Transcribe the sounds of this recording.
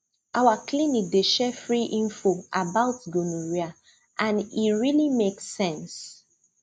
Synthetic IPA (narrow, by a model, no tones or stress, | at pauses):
ʔawakʰlinik̚deʃɛfɹiʔĩnfoabaʊtɡonuɹia | ʔãniɹilimeksːɛ̃ns